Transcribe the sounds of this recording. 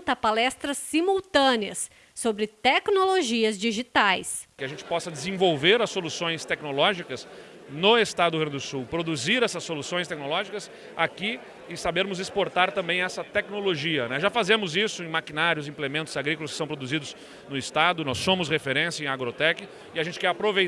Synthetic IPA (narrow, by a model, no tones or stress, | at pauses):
t̪ɐpalɛst̪ɾɐsːimuwt̪ɐ̃nɪɐsː | obɾɪt̪ɛknoloʒiɐzd͡ʒiʒit̪ajskɪɐʒẽnt͡ʃɪ̥pɔsɐd͡ʒɪzẽvowveɾɐsːolusõj̃st̪ɛknolɔʒikɐs | nʊest̪ad̪ʊɡɾɐ̃nd̪d̪ʊsuwpɾod̪uziɾɛsɐsːolusõj̃st̪ɛk̚nolɔʒikɐs | aki | ɪsabeɾmʊzɪspoɾt̪aɾt̪ɐ̃mbẽj̃ɛsɐt̪ɛknoloʒiɐnɛʒafazẽmʊzisʊẽj̃makĩnaɾjʊzĩplemẽnt̪ʊz̥aɡɾikʊlɐskɪ̥sɐ̃w̃pɾod̪uzid̪ʊz | nʊɪst̪ad̪ʊnɔsːõmʊsʁefeɾẽsjɐẽj̃aɡɾot̪ɛkɪ | ɪaʒẽnt͡ʃɪkɛɾapɾovej